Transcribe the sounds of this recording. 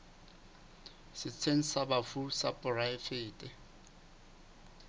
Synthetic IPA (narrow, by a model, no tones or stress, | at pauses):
sɪt͡sʰeŋ̩sabafusapʼʊraɪfɪːtʼɛ